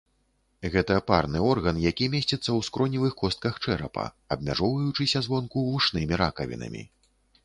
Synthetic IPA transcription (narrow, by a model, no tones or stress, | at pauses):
ɣɛt̪ɐparnɨɔrɣɐnjakʲimʲesʲt͡sʲɛt̪sːɐwskɾɔnʲivɨxkɔst̪̚kɐxt͡ʂɛɾɐ̰pɐ̰ | ɐb̚mʲa̰ʐɔwvɐjut͡ʂɨsʲɐzvɔnkuvuʂnɨmʲiɾakɐvʲḭnɐ̰mʲḭ